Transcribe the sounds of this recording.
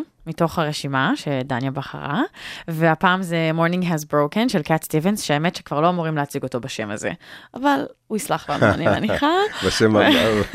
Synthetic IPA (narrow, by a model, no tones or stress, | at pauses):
mito̞χhaʁeʃimaʃedanjabaχa̰ʁaveapaːmzemoʁnĩŋɡɦazbʁowkenʃelkatstivensʃeaemetʃekvaʁloamoʁimlehat͡siɡo̞to̞baʃemazḛʔavaluislaχla̰na̰nia̰niχabaʃemaa